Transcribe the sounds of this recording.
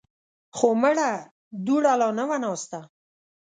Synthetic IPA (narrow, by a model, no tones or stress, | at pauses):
xoməɽa | d̪uɽalɑnəwanɑst̪a